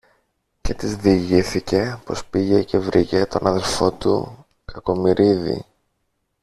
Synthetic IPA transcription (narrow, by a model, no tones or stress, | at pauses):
ce̞t̪izðiʝiθice̞po̞spiʝe̞ce̞vɾice̞t̪o̞nɐðe̞lfo̞t̪ṵ | kʰɐko̞miɾʔiðḭ